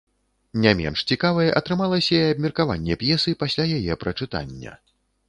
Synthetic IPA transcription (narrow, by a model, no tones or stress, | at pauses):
nʲamʲɛ̰nʂt͡sʲikavɐjɛʔɐt̪ɾɨmalˠɐsʲɐiɐb̚ʲmʲɐrkava̰nʲːɛpjɛsɨpasʲlʲajajɛpɾɐt͡ʂɨt̪a̰nʲːɐ̰